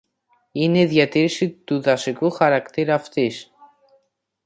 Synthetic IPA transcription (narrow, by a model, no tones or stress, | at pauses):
ine̞iðʝɐt̪iɾisit̪uðɐsikuxɐɾɐkt̪iɾɐft̪is